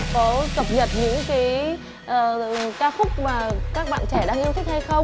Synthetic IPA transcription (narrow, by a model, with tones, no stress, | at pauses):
kɔ˨˦kə˨˩p̚ɲə˨˩t̚ɲɨ̰˧˥ŋkaː˨˦j | ʔəː˨˩kaː˧wfʊ˦˥k͡p̚maː˨˩kaː˦˥k̚ɓa̰ː˧˨nt͡ɕɛ˧˩ɗaː˧ŋʔi˧wt̪ʰi˦˥k̚ha˧jxə˧wŋ͡m